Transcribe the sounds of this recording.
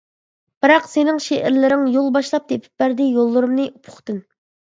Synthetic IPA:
b̥ɨɾɑqsenɪŋʃeʔɪɾlɪɾɪŋjolˠbɑʃlˠɑp̚d̪epʰɪ̥p̚bæɾd̪ɪjolˠːʊɾumnɨʔupʰʊ̥χt̪ɨn

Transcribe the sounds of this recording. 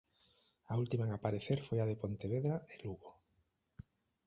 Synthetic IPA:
ault̪imaeŋapaɾeθeɾfojaðepont̪eβ̞eðɾaeluɣo

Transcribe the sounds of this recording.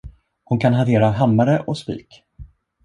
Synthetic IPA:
hʊnkʰanɦant̪ʰeːɾaɦamːaɾəʔɔspḭːk

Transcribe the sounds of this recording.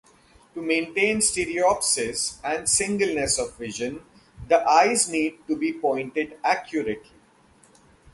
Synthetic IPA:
ʈumẽːɳʈẽːnsʈeɾiɔpsɪsæ̃ɳɖsɪ̃ŋɡəlnesɔʋːɪʒə̃n | d̪əʔaɪzniːɖ̚ʈubiːpɔ̃ɪ̃ɳʈɪɖækʰjuɾeʈli

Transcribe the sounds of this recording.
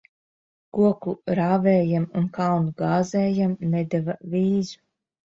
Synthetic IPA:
kuɔkuɾaːvɛːjamunkawnuɡaːzɛːjamnɛd̪ɛvavʲiːzu̥

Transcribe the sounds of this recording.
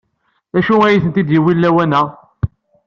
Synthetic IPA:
æʃuæjiθənt̪id̪jiwilːæwænæ

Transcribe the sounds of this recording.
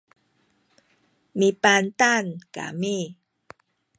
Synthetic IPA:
mipant̪anka̰mi

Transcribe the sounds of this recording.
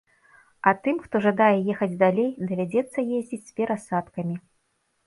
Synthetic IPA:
ɐt̪ɨmxt̪ɔʐad̪ajɛjɛxɐd͡zʲd̪alʲejd̪ɐvʲad͡zʲɛt̪sːɐjezʲd͡zʲit͡sʲsʲpʲɛɾʔasat̪kɐmʲi

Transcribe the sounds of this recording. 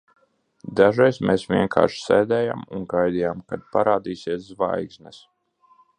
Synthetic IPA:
d̪aʒɛjsmeːsvʲiɛŋkʰa̰ːɾʃsɛːd̪ɛːja̰mṵnɡajd̪ijaːmkad̪̚paɾaːd̪iːsiɛszva̰jɡznɛs

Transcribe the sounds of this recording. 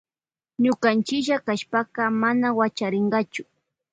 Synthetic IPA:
ɲʊkant͡ʃɪʒakaʃpakɑmanawat͡ʃaɾɪɴɢɑt͡ʃʊ̥

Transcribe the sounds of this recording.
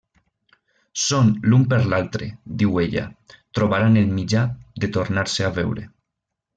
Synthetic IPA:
sonlumpeɾlalt̪ɾed̪iweʎa̰t̪ɾoβaɾanelmid͡ʒad̪et̪oɾnaɾseaβɛwɾḛ

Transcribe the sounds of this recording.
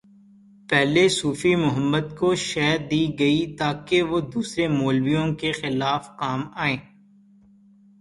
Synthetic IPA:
pɛɦlesuːfimʊɦəmːəd̪koʃɛːɾd̪iːɡɐit̪aːkeʋod̪uːsɾemoːlwijõkexɪlaːfqaːmaːẽː

